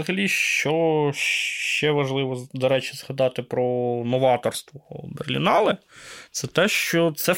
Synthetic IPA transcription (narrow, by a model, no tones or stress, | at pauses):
ɐɦɐlʲiʃt͡ʃɔʃʃt͡ʃɛʋɐʒlˠɪʋɔd̪ɔɾɛt͡ʃɪz̥hɐd̪ɑt̪ɪpɾɔnɔʋɑt̪ɔrst̪ʋɔberlʲḭnɑlˠɪt̪sɛt̪ɛʃt͡ʃɔt̪sɛ